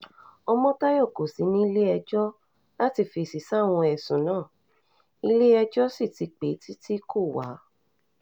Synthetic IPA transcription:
ɔ˧mɔ̃˦ta˦jɔ˦˨ko˨si˨˦nĩ˦i˦˧le˦ɛ˧d͡ʒɔ˦ | la˦ti˧fi˧˨si˨sa˦˨w̃ɔ̃˧ɛ˨sũ˨nãː˦˨ | i˧le˦ɛ˧d͡ʒɔ˦si˦˨ti˧k͡pe˨˦tʰi˦ti˦ko˦˨wa̰˨˦

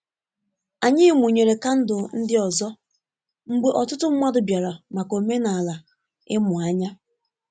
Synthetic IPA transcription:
a˨ɲɪ˦mu˨ɲe˨ɾe˨ka˦n̩˦dʊ˨n̩˦dɪ˦ɔ˨zɔ˦ | ŋ͡m̩˦ɡ͡be˦ʔɔ˨tʊ˦tʊ˦m̩˦ma˦dʊ˨bja˨ɾa˨ma˨ko˨me˦na˨a˨la˨ | ɪ̰˦mʊ˨a˦ɲa˦

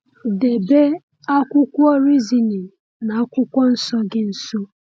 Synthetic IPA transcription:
de˨be˦ | a˦kʷʊ˦kʷʊ˦ɔ˦ɾi˦zi˨ni˨ | na˨a˦kʷʊ˦kʷɔ˦n̩˦sɔ˦ɡɪ˦n̩˨so˦

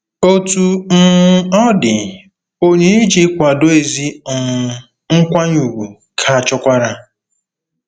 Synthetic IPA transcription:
o˦tu˦n̩˦ɔ˦dɪ˨ | o˦ɲe˦e˦d͡ʒi˦kʷa˨do˦e˨zi˦˨ | ŋ̩˦kʷa˦ɲu˨ɡu˨ | kʰa˨a˨t͡ʃɔ˦kʷa˦ɾa˦

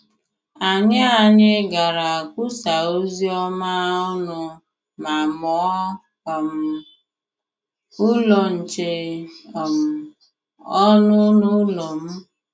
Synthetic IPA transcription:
a˨ɲa˦a˨ɲɪ˦ɡa˨ɾa˨a˨kʷʊ˦sa˨u˦zi˦ɔ˦ma˦ʊ˦nʊ˦ | ma˨mɔ˨˦˨ | m̩˨ | ʊ˦lɔ˨n̩˨t͡ʃe˨ | m̩˨ | ɔ˦nʊ˦nʊ˦lɔ˨m̩˦

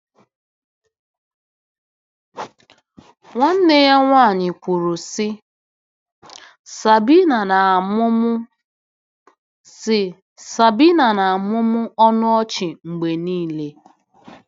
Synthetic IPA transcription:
ŋʷa˦n̩˦nɪ˦ja˦ŋʷaː˦˨ɲɪ˨kʷu˨ɾu˨sɪ˦ | sa˨bi˦na˨na˨mʊ˦mʊ˦ | sɪ˨ | sa˨bi˦na˨na˨a˨mʊ˦mʊ˦ʔɔ˦nʊ˦ɔ˦t͡ʃɪ˨ŋ͡m̩˨ɡ͡be˨niː˦˨le˦

